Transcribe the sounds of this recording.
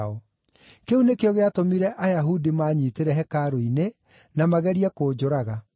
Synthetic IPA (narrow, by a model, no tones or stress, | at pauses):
ɔ | keunekeɔɣeatomiɾɛʔajaɦudimaɲiːteɾɛɦɛkaɾoine | namaɣɛɾiɛkoːd͡ʒoɾaɣa